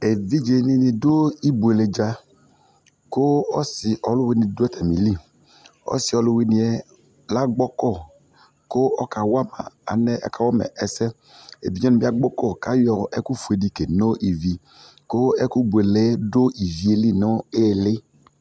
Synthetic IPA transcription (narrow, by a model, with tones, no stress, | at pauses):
e˨vi˦d͡ʒe˨ni˧nĩ˨do˦i˦bu˨e˨le˨d͡ʒa˦ | ko˦ɔ˦si˨ʔɔ˨lʊ˦wi˦nĩ˨do˦ɛ˦t̪ʰɛ˨mḭ̃˨li˦˨ | ɔ̰˦si˨ɔ˨lʊ˦we˦nĩ˨ɛ˦ | la˦ɡ͡bɔ˦kɔ˦˨ | ko˦ɔ˦ka˨wa˦˨ma̰˨a̰˨nɛ˦ʔɛ̰˦ka˨wɔ˦mɛ̰˨ʔɛ˨sɛ˦ | ḛ˨vi˦d͡ʒɛ˦nĩ˨bi˦a˦ɡ͡bɔ˦kɔ˦˨ka˦jɔ˨ɛ̰˦ku˦fu˨e˨di˦ke˨no˦ʔi˨vi˨ | ko˦ɛ˦ku˦be˨le˨˦do˦i˨vi˨e˨li˦˨no˦e˦˨le˦